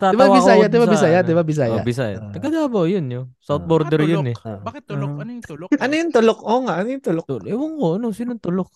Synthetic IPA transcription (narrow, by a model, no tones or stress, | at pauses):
ɪbabɪsaːjad̪ɪbabɪaːjad̪ɪbabɪs̬aːja̰bɪsaja̰t̪ɐɡɐd̪aːbɐjʊnjosawt̪̚boɾd̪ɛɾjʊnɛbakɪt̪ːɐt̪ʊlʔɐnojʊnt̪ʊlokʔoːŋaʔɐnojʊnt̪ʊlok̪ɛwɐŋkoʔɐnosinʊnt̪ʊlok̚